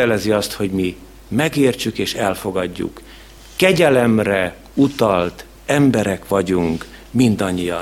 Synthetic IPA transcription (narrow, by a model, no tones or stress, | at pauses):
ɛlɛziɒst̪ho̞ɟmi | mɛɡeːrt͡ʃykeːʃɛlfo̞ɡɒɟːṵkː | ɛɟɛlɛmrɛ | ut̪ɒlt̪ | ɛmbɛɾɛkʋɒɟuŋk | mind̪ɒɲːijɒ̰